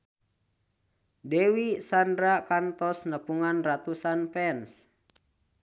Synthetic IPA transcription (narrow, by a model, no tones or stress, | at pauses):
dɛwisandɾakant̪ɔsnəpuŋanrat̪usanpɛns